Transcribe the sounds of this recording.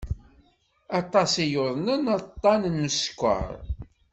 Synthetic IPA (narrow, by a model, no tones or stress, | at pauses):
ɑt̪ˤɑsijʊðˤnənɑt̪ˤːɑnənːəskʷːə̰ɾˤ